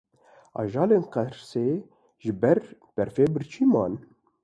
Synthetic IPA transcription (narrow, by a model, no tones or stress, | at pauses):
ɑ̰ːʒɑːleːnqɛɾseː | ʒɨbɛɾb̥ɛɾfeːbɨɾt͡ʃʰiːmɑ̰ːn